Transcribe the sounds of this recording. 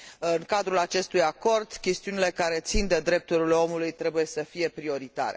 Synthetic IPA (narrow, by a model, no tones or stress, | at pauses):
ɨŋkad̪ɾulat͡ʃe̞st̪ujako̞rd̪kʲe̞st̪iunile̞kaɾe̞t̪sind̪e̞d̪ɾe̞p̚t̪uɾileo̞mulujt̪ɾe̞buje̞səfije̞pɾio̞ɾit̪a̰ɾe